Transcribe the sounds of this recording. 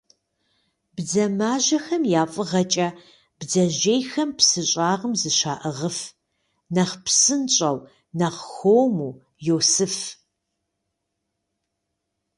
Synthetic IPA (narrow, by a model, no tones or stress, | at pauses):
bd͡zɐmaːʒɐxɐmjaːfʼɨʁɐt͡ʃʼɐ | b̥d͡zɐʒejxɐmpʰsɨɕʼaːʁəmzɨʃaːʔɨʁəf | nɐχpsɨnt͡ʃʼɐw | nɐχxoːwmuː | joːsɨf